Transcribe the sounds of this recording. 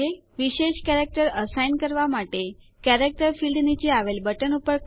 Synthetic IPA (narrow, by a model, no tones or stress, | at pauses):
e | ʋiɕeɕkæɾek̚ʈəɾəsajnkəɾʋamaʈe | kæɾek̚ʈəɾfilɖnit͡ɕiaʋelbəʈənupəɾ